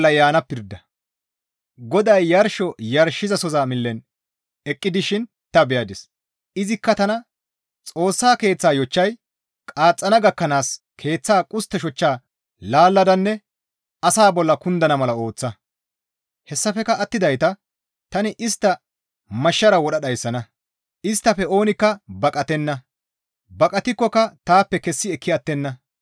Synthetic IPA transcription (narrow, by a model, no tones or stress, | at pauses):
lːɐjaːnɐpːɪɾd̪ɐ | ɡɔd̪ɐjːɐɾʃɔjɐɾʃɪzɐsɔzaːmɪlːɛn | ɛkʼːɪd̪ɪʃɪn | t̪ɐbɛjɐd̪ɪs | ɪzɪkːɐt̪ɐnɐ | t͡sʼo̞ːsːaːke̞ːt͡sːaːjɔt͡ʃːɐj | kʼaːt͡sʼːɐnɐɡɐkːɐnaːskʰe̞ːt͡sːaːkʼʊst̪ːɛʃɔt͡ʃːaː | laːlːɐd̪ɐnːɛ | ɐsaːbɔlːɐkʊnd̪ɐnɐmɐlɐo̞ːt͡sːɐ | hɛsːɐfɛkɐʔːt̪ːɪd̪ɐjt̪ɐ | t̪ɐnɪʔɪst̪ːɐ | mɐʃːɐɾɐwɔɗɐɗɐjsːɐnɐ | ɪst̪ːɐfɛo̞ːnɪkːɐbɐkʼɐt̪ɛnːɐ | bɐkʼɐt̪ɪkːɔkɐt̪aːpːɛkɛsːɪɛkʰːɪɐt̪ːɛnːɐ